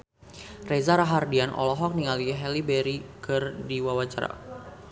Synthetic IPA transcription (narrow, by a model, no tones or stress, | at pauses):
rezaɾaɦardianʔɔ̰lɔɦɔk̚niŋaliɦɛlibɛɾikɨrdiwawat͡ʃa̰ɾa̰